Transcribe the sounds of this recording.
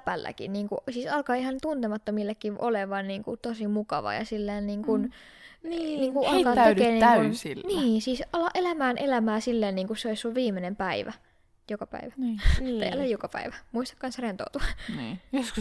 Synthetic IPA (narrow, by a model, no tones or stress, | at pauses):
pælːæ̰kḭnniːŋkusiːsɑlkɑːihɑnt̪unt̪emɑt̪ːomilːekːiʋʔoleʋɑnniːŋkṵt̪osimukɑʋɑ̰jɑ̰silːeːnniːŋkun | niniːŋkuʔɑlkɑːt̪eeːnniːŋunsilːniːsiːsɑlːɑʔelæmæːnʔelæmæːsilːeːnniːŋkusseoissulʋiːmenempæiʋæ̰ | jokɑpæ̰iʋæ̥t̪ːæɑlːejjokɑpæ̰iʋæmuist̪ɑkːɑnsrent̪o̰ut̪uɑniosk